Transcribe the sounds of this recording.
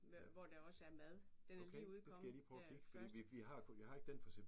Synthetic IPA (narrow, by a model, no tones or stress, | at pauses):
ʋɒd̥eɒ̽səæɐmæðˠd̥okʰeuðˠd̥esɡ̥æjäliːpʰʁɒfʰiɡ̥fɒ̥̽ḭːʋiʋiɦɑ̈kʰjɑ̈ɦɑ̈e̝ɡ̥əd̥enfɒseb̥